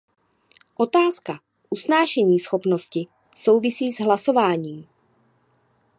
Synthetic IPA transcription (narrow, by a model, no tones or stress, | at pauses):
ʔo̞t̪aːska | ʔusnaːʃɛɲiːsxo̞pnoscɪ | so̞wvɪsiːzɦlaso̞vaːɲiːm